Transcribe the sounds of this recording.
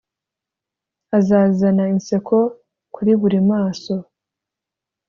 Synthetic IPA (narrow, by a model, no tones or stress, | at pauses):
azaːzanainse̞kʰo̞ | kuɾiβuɾimaːso̞